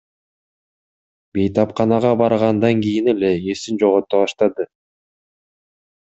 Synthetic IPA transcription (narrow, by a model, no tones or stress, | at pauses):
be̞jt̪ɑpqɑnɑʁɑbɑɾʁɑnd̪ɑŋɡijine̞le̞esind͡ʒo̞ʁot̪ːoβɑʃt̪ɑd̪ɯ